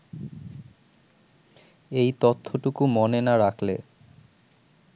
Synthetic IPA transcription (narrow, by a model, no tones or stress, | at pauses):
ejt̪ot̪ʰːoʈukumonenaɾakʰlḛ